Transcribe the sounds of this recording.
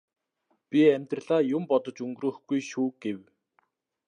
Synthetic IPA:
pʲiæmʲt̪rə̆ɮ̥aːjʊmpɔt̪ɞ̆t͡ɕɵŋɡrŭːxɡ̥ujʃuːɡew

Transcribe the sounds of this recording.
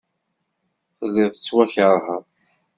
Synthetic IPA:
θəlːɪʁθə̥t͡sːwæçəɾˤɦəɾˤ

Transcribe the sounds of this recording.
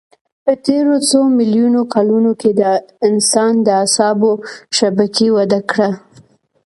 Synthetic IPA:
pət̪eɾot͡somɪljunokalunoked̪əɪnsɑnd̪əasɑboʃabakiwad̪akɽa

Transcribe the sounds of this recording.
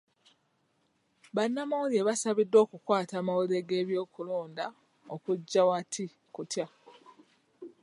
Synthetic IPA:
βanːamawolieβasaβidːo̞ːkukwaːtaːmawolie̞ɡe̞ːβjo̞ːkulo̞ːnda | okuɟːawatʰi | kutja

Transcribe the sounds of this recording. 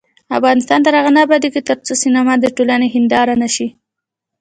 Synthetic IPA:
a̰fɣɑnɪst̪ɑnt̪aɾaɣanabad̪iket̪əɾt͡sosinamɑd̪əʈolaneɦɪnd̪ɑɾanaʃi

